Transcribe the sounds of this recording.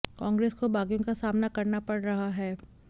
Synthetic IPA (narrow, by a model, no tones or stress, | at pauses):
kãːŋɡɾeːskobaːɡijõkasaːmnakɐɾnapɐɽɾɐɦaɦɛː